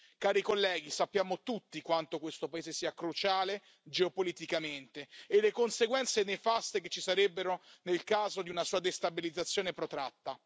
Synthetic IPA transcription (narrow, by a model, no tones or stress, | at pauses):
kaːɾikolːɛːɡisapːjaːmot̪ut̪ːikwant̪okwest̪opaeːzesiːakɾut͡ʃaːle | d͡ʒeopolit̪ikament̪eːlekonseɡwɛnt̪senefast̪eket͡ʃːisaɾebːeɾonelkaːzod̪iunasuːad̪est̪abilid̪zːat̪sːjoːnepɾot̪ɾa̰t̪ːa